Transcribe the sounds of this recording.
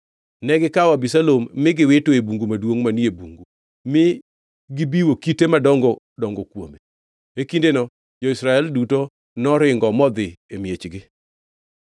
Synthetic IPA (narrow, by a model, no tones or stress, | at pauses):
nɛɡɪkawabisalomːɪɡɪwɪtoebuŋɡumadwoŋmaniebuŋɡu | mɪ | ɡɪbiwokitemadɔŋɡɔ | dɔŋɡɔkwome | ekindenɔ | d͡ʒɔisɾaɛlduto | nɔɾɪŋɡɔmɔd̪ɪemjet͡ʃɡɪ